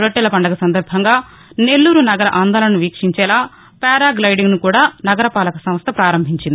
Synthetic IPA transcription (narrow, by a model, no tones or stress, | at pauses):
ɾɐʈːɛlɐpɐɳɖɐɡɐsɐnd̪ɐɾbʱɐŋɡaː | ne̞lːuːɾunɐɡɐɾɐʔaːnd̪aːlɐnɐnuʋiːkʂiɲt͡ʃɛːlaː | pɛːɾaːɡlɐjɽiŋɡnukuːɽaːnɐɡɐɾɐpaːlɐkɐsɐmɐst̪ʰɐpɾaːɾɐmbʱiɲt͡ʃind̪i